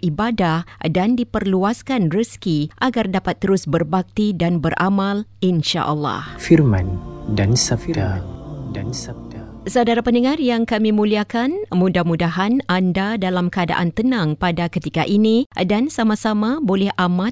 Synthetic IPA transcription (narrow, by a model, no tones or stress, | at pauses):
ibadahdandipərluaskanrəskiʔaɡardapat̪ːəɾʊsbərbak̚t̪idanbərʔa̰malinʃa̰ʔəlːɑ̰hfirmandan | n | sadaɾapəndəŋarjaŋkamimũliakanmũdahmudaɦanandadalamkəada̰ʔant̪ənãŋpadakət̪ikaʔinĩdansamasamabolɛhʔamat̪̚